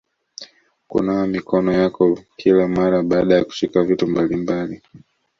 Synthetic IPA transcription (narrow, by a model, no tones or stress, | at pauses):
kṵnajɔmikɔnɔjakɔkʰilamaɾaɓaːɗajaku̥ʃikavitumbalimbali